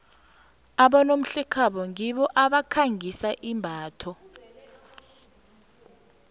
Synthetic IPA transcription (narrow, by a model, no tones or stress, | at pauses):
aɓanom̩ɬɛkʰaɓɔŋiɓɔʔaɓakʰaŋʱisaʔimbʱaːtʰɔ